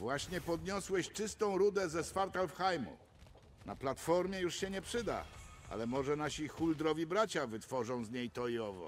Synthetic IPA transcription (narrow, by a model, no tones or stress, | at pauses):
vwaɕɲɛpɔd̪ɲɔswɛɕt͡ʂɘst̪ɔ̃w̃ɾud̪ɛzɛsfaɾt̪alfxajmṵ | na̰plat̪fɔɾmʲjɛjuʂɕɛɲɛpʂɘd̪a̰a̰lɛmɔʐɛnaɕixuld̪ɾɔvʲibɾat͡ɕavɘt̪fɔʐɔ̃w̃zɲejt̪ɔiɔvɔ̰